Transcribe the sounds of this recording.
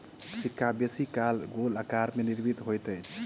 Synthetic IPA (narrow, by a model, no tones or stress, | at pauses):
sikʰːabesikalɡoləkaɾmeniɾbit̪ɦojt̪əjʰ